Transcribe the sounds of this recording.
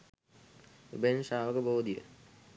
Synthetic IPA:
ṵbensaːʋəkəboːd̪ijə̰

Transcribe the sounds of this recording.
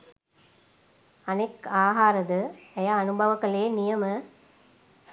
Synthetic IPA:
ɐnekaːɦaːɾɐd̪ɯɐjaːnubɐʋɐkːɐɭeːnɪjɐmɐ

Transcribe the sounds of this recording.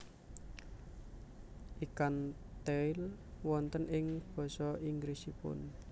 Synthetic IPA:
ʔikan | t̪eɪlwɔnt̪ənʔɪŋb̥ɔ̤sɔiŋɡɾisipʊ̰n

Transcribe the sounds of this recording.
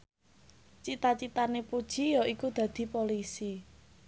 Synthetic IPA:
t͡ʃit̪at͡ʃit̪anepud̥ʒ̥i̤jɔʔikud̪̥ä̤d̪̥i̤polisi

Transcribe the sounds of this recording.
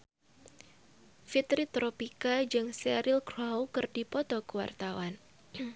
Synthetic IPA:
fit̪ɾit̪ɾopikad͡ʒɨŋsɛɾilkɾawkɨrdipɔt̪ɔkəwa̰rt̪awan

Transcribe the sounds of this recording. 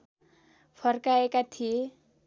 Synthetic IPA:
fʰʌrkaekat̪ʰi

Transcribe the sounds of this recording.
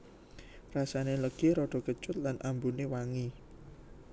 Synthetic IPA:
rasaneləɡ̥eɾɔɖ̥ɔ̤kət͡ʃʊt̪̚lanʔambunewaŋi

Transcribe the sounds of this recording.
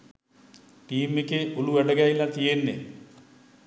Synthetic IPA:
ʈiːmːekeʔoluʋæɖəɡæilːat̪ijenːḛ

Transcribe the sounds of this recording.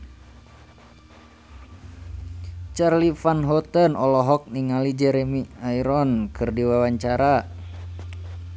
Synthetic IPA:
t͡ʃarlifanɦɔt̪ənɔlɔɦɔk̚niŋalid͡ʒɛɾemiaiɾɔnkɨrdiwawaɲt͡ʃaɾa

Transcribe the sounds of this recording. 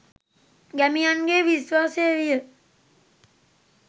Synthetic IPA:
ɡæmijanɡeːʋiswaːseeɾijə

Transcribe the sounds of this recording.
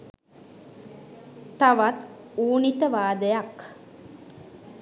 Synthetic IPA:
t̪aʋat̪uːnit̪əʋaːd̪əjak

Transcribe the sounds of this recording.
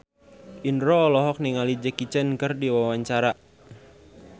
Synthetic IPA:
ʔinɾɔːlɔɦɔk̚niŋalid͡ʒəkit͡ʃənkɨrdiwawaɲt͡ʃaɾa

